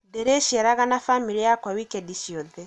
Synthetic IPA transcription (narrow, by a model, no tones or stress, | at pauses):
deɾeʃiɛɾaɡanafamiɾijakɔwikɛdisiod̪ɛ